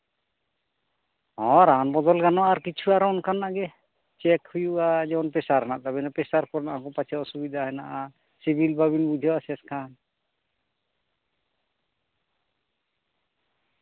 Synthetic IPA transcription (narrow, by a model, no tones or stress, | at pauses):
ɔ̃ɾanbɔd̪ɔlkanɔaɾkit͡ʃʰuaɾɔnkʰanːaɡɛ | t͡ʃɛkhujuʔad͡ʒɛɔnpɛsaɾnaʔt̪abɛnapɛsaɾkɔɾnaʔakɔpat͡ʃʰaɔsubid̪ʱaɦɛnaʔa | sibʱilbaβinbud͡ʒ̪ʱɔwasɛskʰan